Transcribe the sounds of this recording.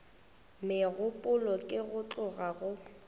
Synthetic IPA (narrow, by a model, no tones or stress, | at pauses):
mɪɣʊpʼʊlɔkʼɪɣʊt͡ɬʊɣaɣʊ